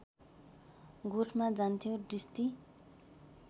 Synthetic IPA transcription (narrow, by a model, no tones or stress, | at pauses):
ɡoʈʰmad͡zant̪ʰijoɖist̪i